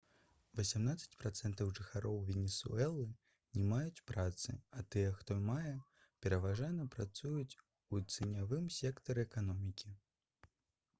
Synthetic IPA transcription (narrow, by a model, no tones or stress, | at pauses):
vɐsʲamnat̪sɐ̥t͡sʲpɾat̪sɛnt̪ɐwʐɨxaɾɔwvʲɛnʲɛsṵɛlˠɨ | nʲɛmajut͡sʲpɾat̪sɨ̰at̪ɨjɛxt̪ɔmajɛ | pʲɛɾɐvaʐajnɐpɾat̪sujut͡sʲ | ut̪sɨnʲavɨmsʲɛkt̪ɐɾɨɛkanɔmʲikʲi